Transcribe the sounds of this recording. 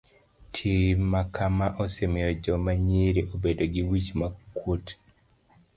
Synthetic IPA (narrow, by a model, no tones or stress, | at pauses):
tʰimakʰamaʔosemejɔd͡ʒɔmaɲiɾeʔobedoɡiwit͡ʃmakʰut